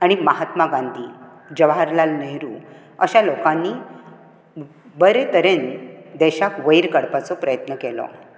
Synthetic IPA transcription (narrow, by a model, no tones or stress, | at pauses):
aɽ̃iməɦat̪maɡãnd̪ʱiː | d͡ʑəʋɦaɾlalnəɦɾuː | əɕalokãnːi | bəɾet̪əɾend̪ɛɕakʋəjɾkəɽpat͡sɔpɾəjət̪nəkelɔ̰